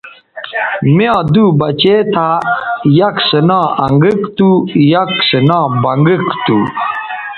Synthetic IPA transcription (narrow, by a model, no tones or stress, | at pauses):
mjãːd̪ubɐt͡ɕeːt̪ʰajaksənãɐŋɡikt̪ujaksənãːbɐŋɡikt̪u